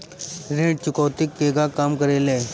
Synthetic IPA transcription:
ɾẽɖt͡ɕukəwt̪ik̚peɡakamkəɾelɛ̃

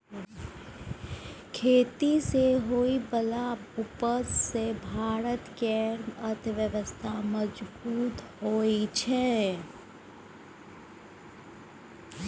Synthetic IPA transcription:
kʰeːt̪iseɦoːibəlaʊpəsːebʱaːɾət̪keɾnət̪ʰʋjəʋəst̪ʰaməd͡ʒbuːt̪hoːit͡ʃʰɛ

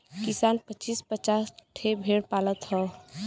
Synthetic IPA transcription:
kisanpət͡ʃispət͡ʃasʈʰebʱeɽpaːlət̪ɦɔ

